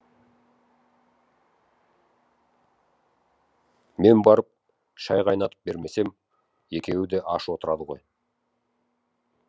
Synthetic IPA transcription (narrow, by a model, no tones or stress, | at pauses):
me̞nbɑɾəp̚ | ʃɑjʁɑjnɑt̪ə̥p̚be̞ɾme̞se̞m | e̞kʲe̞wɪd̪e̞ʔɑʃwo̞t̪əɾɑd̪əʁo̞̰j